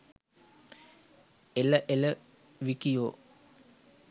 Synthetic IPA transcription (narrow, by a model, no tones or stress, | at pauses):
eləʔelə | ʋikijoː